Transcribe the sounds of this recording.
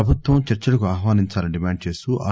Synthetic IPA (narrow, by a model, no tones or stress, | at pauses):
ɐbʱut̪ʋɐmt͡ʃɐɾt͡ʃɐlɐkuaːɦʋaːniɲt͡ʃaːlɐniɖimaːɳɖ̚t͡ʃe̞ːst̪uʔa̰ː